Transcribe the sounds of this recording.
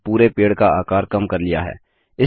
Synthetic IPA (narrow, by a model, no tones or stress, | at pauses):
puːɾepeːɽkaaːkaːɾkɐmkɐɾlɪja̰ɦɛ̰ː | ɪ